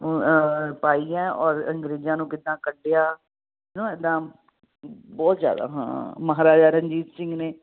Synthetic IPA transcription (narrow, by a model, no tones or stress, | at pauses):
paːijãːɔːɾə̰ŋɡɾeːzãːnũːkɪd̪ːãːkəɖejaː | nõːɛːd̪ãː | bɔːt̪zja̰ːd̪a̰ːɦã̰ːməɦaːɾaːd͡ʒaːɾəɲd͡ʒiːt̪sɪ̃ŋɡneː